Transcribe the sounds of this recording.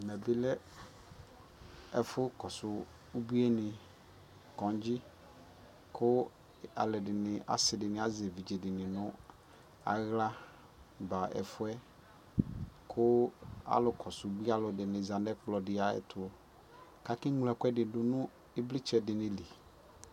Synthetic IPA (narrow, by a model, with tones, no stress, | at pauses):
mɛ˨bɪ˦lɛ˦ | ɛ˨fʊ˦kɔ˨sʊ˨ | u˦bi˦ɛ˦nɪ̃˨ | kɔ̃˨n˦d͡ʑi˦ | kʰʊ˦ | a̰˨lɛ˨dɪ˨nɪ˨a̰˦sɪ˨dɪ˨nɪ̃˨a˦ze˨vi˨d͡ʒe˨dɪ˨nɪ̃˨nʊ̃˦ | a̰˨ɣla˦ | ba˨ɛ̰˨fʊ˦ɛ˦ | kʰʊ˦a̰˨˦lʊ˨kɔ˨sʊ˨˦bi˦a˦lʊ˨dɪ˨nɪ̃˨za˨ndɛ˦k͡plɔ˨dɪ˨a˨ɛ̰˨t̪ʰʊ˨ | ka˦kɪ˦ŋlɛ˨kɛ˦dɪ˨dʊ˨nʊ̃˦ | ɪ˦blɪ˦t͡ʃɛ˨dɪ˨nɪ̃˨li˨